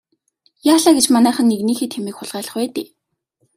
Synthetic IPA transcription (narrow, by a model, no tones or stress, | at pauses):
jaːɮaːɡet͡ɕmanæːχə̆nːeɣniːxeːt̪xʰemiːkχʊɮʁæːɮə̆χwæːt̪eː